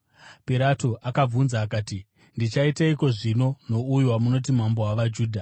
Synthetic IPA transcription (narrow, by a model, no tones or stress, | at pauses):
piɾatoʔakab͡vunzaːkaːti | ndit͡ʃaitaiko̞ʐino̞no̞ujuwamuno̞t̬im̤ambo̞waʋad͡ʒuːdʱa